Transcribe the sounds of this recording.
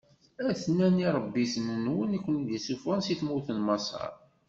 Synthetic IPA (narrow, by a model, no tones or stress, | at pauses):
æθnːæniɾˤəbːisənənwənikʷːənðəsufænsiθmuθənmɑsˤɑ̰ɾˤ